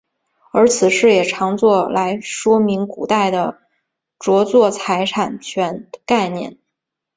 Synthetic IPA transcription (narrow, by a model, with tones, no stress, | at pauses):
ə˞˧˥t͡sʰɹ̩˨˩ʂɻ̩˥˩jɛ˨˩ʈ͡ʂʰɑ˧˥ŋt͡swɔ˥˩la˧˥ɪʂwɔ˥mi˧˥ŋku˨˩t̪a˥˩ɪd̪ə˩ | ʈ͡ʂwɔ˧˥t͡swɔ˥˩t͡sʰa˧˥ɪʈ͡ʂʰa˨˩nt͡ɕʰɥɛ˧˥nka˥˧ɪnjɛ̰˥˩n